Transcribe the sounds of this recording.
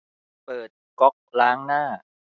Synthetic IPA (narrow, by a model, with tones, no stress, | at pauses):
pɤː˨˩t̪̚kɔ˦˥k̚laː˦˥ŋnaː˥˩